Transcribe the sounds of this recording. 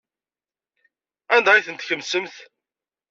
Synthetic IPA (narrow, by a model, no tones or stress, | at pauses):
ænd̪ɑiθənt̪çəmːsəmθ